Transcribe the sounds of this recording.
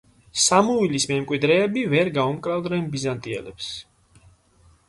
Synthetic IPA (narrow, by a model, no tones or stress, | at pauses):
samuvilismɛmkʼwid̪ɾɛːbivɛɾɡaumkʼɾavd̪nɛnbizant̪ʼiɛ̰lɛ̰ps